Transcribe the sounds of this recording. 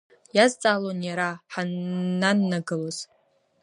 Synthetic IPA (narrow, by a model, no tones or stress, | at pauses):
jazt͡sʼaːlonjaɾaħananːaɡɨloz̥